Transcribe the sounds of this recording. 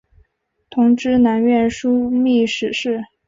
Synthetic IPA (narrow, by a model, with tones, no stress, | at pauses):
t̪ʰʊ˧˥ŋʈ͡ʂɻ̩˥na˧˥nɥɛ˥˩nʂu˥mi˥˩ʂɻ̩˨˩ʂɻ̩˥˩